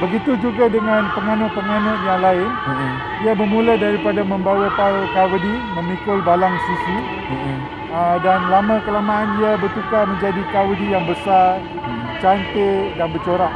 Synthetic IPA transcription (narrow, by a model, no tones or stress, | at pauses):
bəɡit̪ud͡ʒuɡadəŋãnpəŋanəʔpəŋanəʔ̪jaŋlaɪn | diabəmuladaɾipadamə̃mbawapaɾkawədimə̃mikʊlbalaŋsusi | ədanlamãkəlamaːndiabərt̪ukaməɲd͡ʒadikawədijaŋbəsar | t͡ʃant̪edanbət͡ʃoɾaʔ